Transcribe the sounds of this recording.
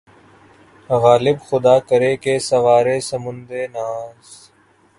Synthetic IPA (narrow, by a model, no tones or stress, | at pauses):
ɣaːlɪbxʊd̪aːkəɾeːkeːsəʋaːɾeːsəmʊnd̪eːnaːz